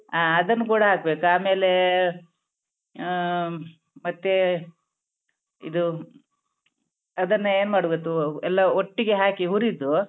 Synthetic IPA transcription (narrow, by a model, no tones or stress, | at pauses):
aːɐd̪ɐnːukuːɽɐɦaːkbeːkuaːme̞ːle | mɐt̪ːe | ḭd̪u | ɐd̪ɐnːɐeːnumaːɽuɡet̪ːuɛlːɐoʈːiɡe̞ɦaːkiɦuɾid̪u